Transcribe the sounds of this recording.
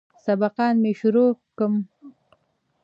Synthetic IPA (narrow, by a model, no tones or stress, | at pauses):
sabaqɑːnmeʃʊɾokəm